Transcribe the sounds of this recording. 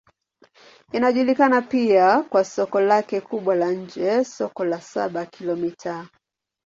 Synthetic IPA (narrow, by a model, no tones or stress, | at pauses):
inaʄulikanapiakwasɔkɔlakɛkuɓwalaɲ̩d͡ʒɛsɔkɔlasa̰ɓakʰilɔmitʰa